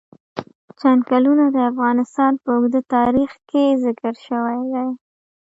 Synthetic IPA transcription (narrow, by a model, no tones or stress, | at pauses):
t͡ʃankalunad̪əafɣɑnɪst̪ɑnpəʊɡd̪ət̪ɑɾixkezɪkəɾʃəwajd̪aj